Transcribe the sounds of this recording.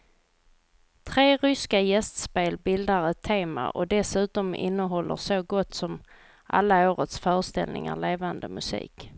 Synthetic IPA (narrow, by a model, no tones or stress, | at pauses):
t̪ʰɾeːɾʏskajɛst̪speːlbɪld̪aɾɛt̪ʰːeːma̰ʔɔ̰d̪ɛsʉ̟ːt̪ɔmɪ̰nːəɦɔlːə̰soɡɔt̪ːsɔm | ʔa̰lːaoːɾət̪sfœːɾəʂt̪ɛ̰lnɪŋa̰ɭeːvand̪əmɵsḭːk